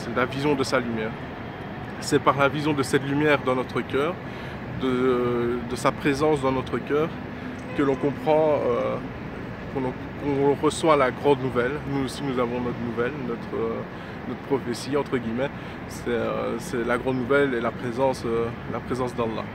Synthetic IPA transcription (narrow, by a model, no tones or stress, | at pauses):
sɛlavizjɔ̃d̪əsalymjɛːʁ | sɛpaʁlavizjɔ̃d̪əsɛt̪lymjɛːʁd̪ɑ̃nɔt̪χəkʲœːʁ | d̪ə | d̪əsapχezɑ̃sd̪ɑ̃nɔt̪χəkʲœːʁ | kəlɔ̃kɔ̃pχɑ̃ø | kɔ̃ɔ̃ | kɔ̃ʁəswalaɡʁɑ̃d̪nuvɛlnuosinuzavɔ̃nɔt̪nuvɛlnɔt̪χə | nɔt̪χəpχɔfesiɑ̃t̪χəɡʲimɛ | sɛø̰sɛlaɡʁɑ̃d̪nuvɛlelapχezɑ̃sø | lapχezɑ̃sd̪ɑ̃lːa̰